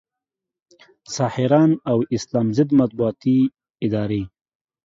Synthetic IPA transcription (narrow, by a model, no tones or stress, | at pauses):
sɑhɪɾɑnawɪslɑmzɪd̪mat̪̚buɑt̪i | ɪd̪ɑɾe